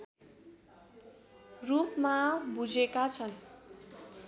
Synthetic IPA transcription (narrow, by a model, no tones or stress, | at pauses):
rupmabud͡zekat͡sʰʌn